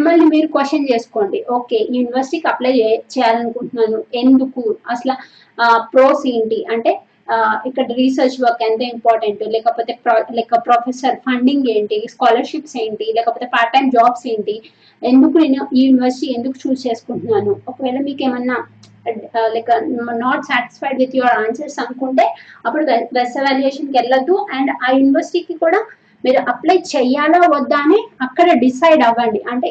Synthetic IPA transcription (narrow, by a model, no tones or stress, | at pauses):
imːɐlnimiːɾukʋeʂʈɐnt͡ʃe̞ːsu̥ko̞ːɳɖiʔo̞ːke̞ːjuːniʋɐɾsi̥ʈikɐpleːt͡ʃɛːjaːlɐnukuɳʈunːaːnue̞nd̪ukuɐsɐlɐ | pɾo̞ːseːɳʈiʔɐɳʈe̞ː | ikːɐɽɐɾiːsɐɾt͡ʃʋɐːkent̪ɐːimpaːɾʈɐɳʈulɛːkɐpo̞ːt̪e̞ːpːlɐːkːɐpɾoːpʰesɐɾpʰɐɳɖiŋɡeːɳʈiskaːlɐɾʃipse̞ːɳʈilɛːkɐpoːt̪epaːɾʈɐnd͡ʒaːbseːɳʈi | e̞nd̪ukunujːuːniʋɐɾsi̥ʈie̞nd̪uku̥t͡ʃuːst͡ʃeːsu̥kuɳʈunaːnuɔkɐʋɛːlɐmiːkeːmɐnːɐ | lɐːkːɐnaːʈsaːʈi̥spɐjɖʋid̪joɾaːnsɐɾsɐnukuɳʈe̞ːɐpːuɽuɾɛsɐʋaːljeːʂɐnkɛlːɐd̪ːuʔɐɳɖaːjuːniʋɐɾsi̥ʈiːkikuːɽaː | miːɾuʔɐplɐjt͡ʃɛjaːloːʋɐd̪ːaːneːɐkːɐɽɐɖisɐjɖɐʋːɐɳɖiʔɐɳʈeː